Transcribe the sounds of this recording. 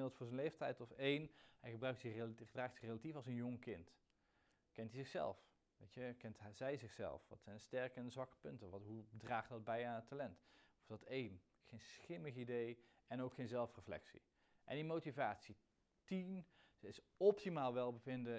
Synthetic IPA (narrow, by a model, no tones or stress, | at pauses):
ɪlˠtfʊːɹzənlejftɛjtɔfejnɦɛjχəbrœɥk̚tsɪdraːxtsɪxrejlatifɑlˠzənjɔŋkɪnt | kɛntizɪxsɛ̰lˠf | ʋejtəkɛntzɛjzɪχsɛ̰lˠfʋɑ̰tsɛjndəstɛɹkənzʋɑkə̥pɵntəʋɑtɦudraːχtdɑd̚bɛjaːnətːalɛntɔfdɑtejn | χejnsχɪməχidej | ɛnowkχejnzɛlˠfrəflɛ̰ksḭ | ʔɛ̰ndimowtivaːtsi | tin | əɪsɔp̚timaːlˠʋɛlˠbəvɪndə